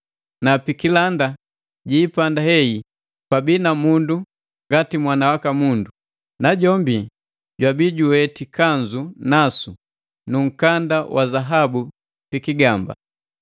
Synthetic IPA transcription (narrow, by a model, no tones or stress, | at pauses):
napikilanda | ɟiːpandahɛi | pabinamundu | ŋɡatimwanawakamundu | naɟɔmbi | ɟwabiɟuwɛtikaɲd͡ʒunasu | nuŋ̩kandawʔazaɦabu | pikiɡamba̰